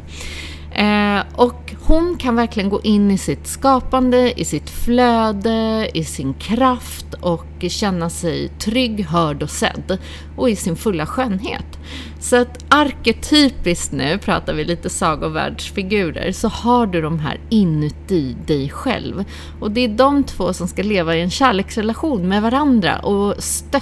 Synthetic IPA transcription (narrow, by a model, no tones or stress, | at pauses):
ʔɔk | hʊnkʰanvæɾklɪɡənɡo̰ːʔɪnːɪsɪt̪skɑːpand̪əɪsɪt̪fløːd̪əɪsɪnkʰɾaft̪ɔkɕɛnːasɛjt̪ʰɾʏɡːɦœːɖɔsɛ̰d̪ː | ɔɪsɪnfɵlːaɧøːnɦḛːt̪ | sɔat̪aɾkɛt̪ʰyːpɪst̪nʉ̟ːpʰɾɑ̰ːt̪aɾvɪliːt̪əsɑːɡʊvæ̰ːɖʂfɪɡʉ̟ːɾə̰ɾsɔhaɖɵd̪ɔmɦæ̰ːɾɪnːɵt̪ɪd̪ɛjɧɛ̰lv | ɔd̪ɛæɖɔmt̪ʰvoːsɔmskaleːvaɪɛnɕæːɭeːksɾɛlaɧuːnmɛvaɾand̪ɾa̰ʔɔst̪œ